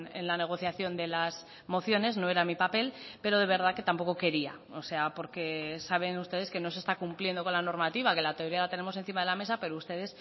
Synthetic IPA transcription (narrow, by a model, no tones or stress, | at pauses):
e̞̰nlane̞ɣ̞o̞θjaθjo̞nd̪e̞laz | mo̞θjo̞ne̞szno̞eɾamipape̞lpe̞ɾo̞ð̞e̞β̞e̞ɾðake̞t̪ampo̞koke̞ɾia̰ose̞apo̞ɾke̞saβ̞e̞nust̪e̞ð̞e̞ske̞no̞s̬e̞st̪akumplje̞nd̪o̞ko̞nlano̞ɾmat̪iβake̞lat̪eo̞ɾialat̪e̞ne̞mo̞se̞nθimað̞e̞lame̞sape̞ɾoust̪e̞ð̞e̞s